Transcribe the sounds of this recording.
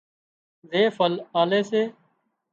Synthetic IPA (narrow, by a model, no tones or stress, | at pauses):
zeːfəlaːleːseː